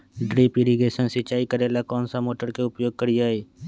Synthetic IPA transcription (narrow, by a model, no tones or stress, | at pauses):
ɖɾiːpɪɾiɡeːʃənsɪt͡ʃaːikəɾeːlakɔːnsamoːʈəɾkeʊpjoːɡ̚kəɾiaːeː